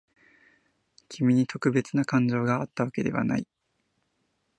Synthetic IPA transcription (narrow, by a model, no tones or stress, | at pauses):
kʲʰimʲiɲ̟it̪o̞kɯ̟be̞t͡sɨnakãɲ̟d͡ʑo̞ːɡaːt̪ːaβake̞d̪e̞βa̰na̰i